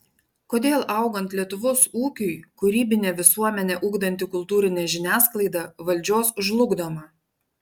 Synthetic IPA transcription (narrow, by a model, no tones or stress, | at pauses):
koːd̪ʲeːlˠʔɐˑʊɡɐnʲt̪ʲlʲiɛt̪ʊʋoːsuːkʲʊɪkʊɾʲiːbʲɪnʲeːʋʲɪsuɔmʲɛnʲɛʔʊːɡd̪ɐnʲt̪ʲɪkʊlˠt̪uːɾʲɪnʲɛʒʲɪnʲæːsklˠɐɪd̪ɐʋɐlʲd͡ʒʲoːsʊʒlˠʊɡd̪omɐ